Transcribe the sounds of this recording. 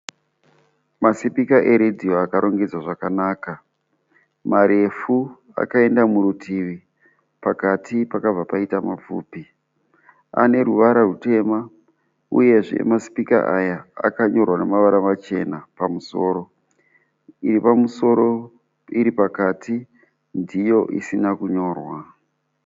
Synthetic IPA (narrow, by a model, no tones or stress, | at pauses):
masipikaʔe̞ɾedʱio̞akaɾo̞ŋɡed͡zwaʐakanaːka | maɾe̞fu | a̰kae̞ndamuɾutʰiʋi | pakatʰipakab͡vapaitamap͡fṵːpi | a̰ne̞ruʋaɾarute̞ma | ṵje̞ʐḛmasi̥pika̰ʔaja̰ːkaɲo̞rwane̞maʋaɾamat͡ʃe̞napamuso̞ːɾo̞ | iɾipamuso̞ɾo̞ | iɾipakati | ndijo̞ʔḭsinakuɲo̞ːrwa